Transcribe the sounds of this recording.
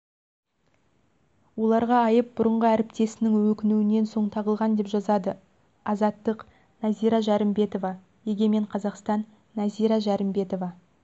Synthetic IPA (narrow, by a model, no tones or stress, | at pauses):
wo̞lˠɑɾʁɑːjəp̚bʊɾəɴʁəæɾɪpt̪e̞sɪnɪŋwɵkʲɪnuwɪne̞nso̞ɴt̪ʰɑʁəlˠʁɑnd̪e̞pʒɑzɑd̪ə | ɑzɑt̪ːəq | nɑzijɾɑʒɑɾəmbe̞t̪o̞vɑ | je̞ɡʲe̞me̞ɴqʰɑzɑqst̪ɑnː | ɑzijɾɑʒæɾɪmbe̞t̪o̞vɑ